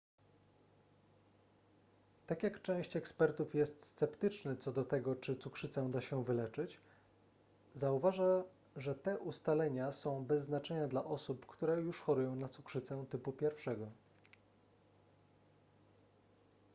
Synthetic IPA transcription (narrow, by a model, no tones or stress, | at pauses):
t̪akʲjakt͡ʂɛ̃w̃ɕt͡ɕɛkspɛɾt̪ufjɛst̪st̪sɛpt̪ɘt͡ʂnɘt̪sɔd̪ɔt̪ɛɡɔt͡ʂɘt̪sukʂɘt̪sɛd̪aɕɛvɘlɛt͡ʂɘt͡ɕ | zauvaʐa | ʐɛt̪ɛʔust̪alɛɲasɔ̃w̃bɛzːnat͡ʂɛɲad̪laʔɔsupkt̪uɾɛjuʂxɔɾujɔ̃w̃nat̪sukʂɘt̪sɛt̪ɘpupʲjɛɾfʂɛɡɔ